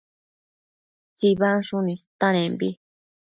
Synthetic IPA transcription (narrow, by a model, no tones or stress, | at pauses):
t͡siβaʃunĩst̪anẽmbḭ